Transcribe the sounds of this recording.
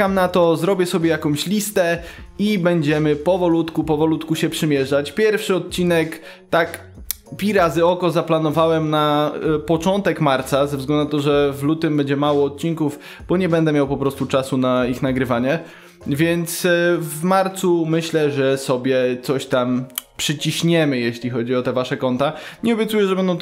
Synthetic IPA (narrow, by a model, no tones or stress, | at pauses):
amnat̪ɔzɾɔbʲjɛsɔbʲjɛjakɔ̃mɕlʲist̪ɛ | ibɛɲd͡ʑɛmɘpɔvɔlut̪kupɔvɔlut̪kuɕɛpʂɘmʲjɛʐat͡ɕpʲjɛɾfʂɘɔt̪̚t͡ɕinɛk | t̪ak | pʲiɾazɘɔkɔzaplanɔvawɛmnapɔt͡ʂɔnt̪ɛkmaɾt̪sazɛvzɡlɛnd̪uat̪ɔʐɛvlut̪ɘmbɛɲd͡ʑɛmawɔːt̪̚t͡ɕinkuv | b̥ɔɲɛbɛnd̪ɛmʲjawpɔpɾɔst̪ut͡ʂasunaixnaɡɾɘvaɲɛ | vʲjɛnt̪svmaɾt̪sumɘɕlɛʐɛsɔbʲjɛt̪sɔɕt̪ampʂɘt͡ɕiɕɲɛmɘjeɕlʲixɔd͡ʑiɔt̪ɛvaʂɛkɔnt̪aɲɛɔbʲjɛt̪sujɛʐɛbɛnd̪ɔ̃w̃